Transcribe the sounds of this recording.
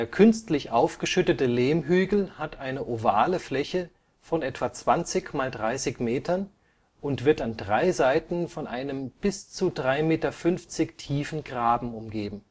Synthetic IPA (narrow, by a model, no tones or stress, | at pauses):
deːɐkʰʏnstlɪçʔaʊfɡ̥əʃʏtətəleːmɦyːɡl̩hatʔaɪnəʔova̰ːləflɛçə | fɔnɛtv̥at͡sv̥ant͡sɪçmaːldʁaɪsɪçmeːtʰɐn | ʔʊntv̥ɪɐtandʁaɪzaɪtn̩fɔnʔaɪnəmb̥ɪst͡sudʁaɪmeːtɐfʏnft͡sɪçtʰiːfn̩ɡʁaːbm̩ʊmɡeːbm̩